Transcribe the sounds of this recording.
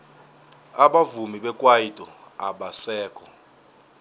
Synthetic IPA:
aɓavumiɓɛkʼwajitʼɔ | aɓasɛːkʰɔ

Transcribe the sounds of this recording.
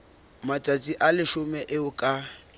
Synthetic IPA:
matʼat͡sʼiʔalɪʃʊmɛʔɪʊkʼa

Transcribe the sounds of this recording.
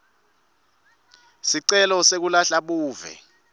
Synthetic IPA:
siǀɛlɔsek̬ulaɬaɓuːvɛ̰

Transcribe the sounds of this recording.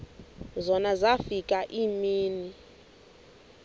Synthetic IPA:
zɔnazafikʼaʔimiːni

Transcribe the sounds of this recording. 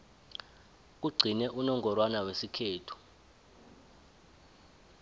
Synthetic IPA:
k̬uɡ͡ǀʱinɛʔunɔŋɔrwanawesikʰeːtʰu̥

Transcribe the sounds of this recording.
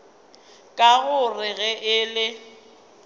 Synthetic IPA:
kʼaɣʊrɪɣɛʔɪlɪ

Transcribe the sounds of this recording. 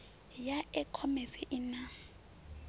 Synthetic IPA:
jaɪkʰɔmɛsɪʔɪna

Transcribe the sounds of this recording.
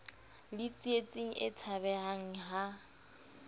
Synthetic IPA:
lɪt͡sʼiet͡sʼiŋ̩ʔɪt͡sʰaβɛɦaŋ̩ɦa

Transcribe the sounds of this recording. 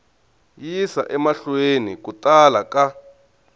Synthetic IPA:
jisa̰ʔɛmaɬwenḭk̬utʼalaka

